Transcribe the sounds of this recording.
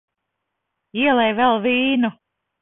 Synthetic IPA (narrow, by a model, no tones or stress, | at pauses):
iɛlˠɛjvɛlˠviːnu